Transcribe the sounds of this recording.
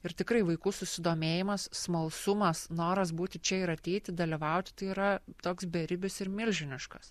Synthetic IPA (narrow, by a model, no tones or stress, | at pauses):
ɪɾt̪ʲɪkɾɐɪʋɐɪkuːsʊsʲɪd̪oːmʲeːjɪmɐsːmɐlˠsʊmɐsnoːɾɐsbuːt̪ʲɪt͡ʃʲɛɪɾɐt̪ʲɛɪt̪ʲɪd̪ɐlʲiʋɐˑʊt̪ʲɪt̪ɐɪiːɾɐt̪oːksbʲɛɾʲɪbʲɪsɪɾmʲɪlʲʒʲɪnʲɪʃkɐs